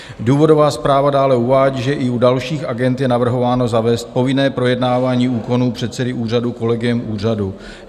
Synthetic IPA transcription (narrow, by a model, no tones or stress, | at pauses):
duːvo̞do̞vaːspɾaːvadaːlɛuvaːɟiːʒɛʔɪudalʃiːxʔaɡɛnt̪jɛnavr̩ɦo̞vaːno̞zavɛːst̪̚po̞vɪnɛːpɾo̞jɛdnaːvaːɲiːuːko̞nuːpr̝̥ɛt̪sɛdɪʔuːr̝aduko̞lɛɡɪjɛmʔuːr̝adu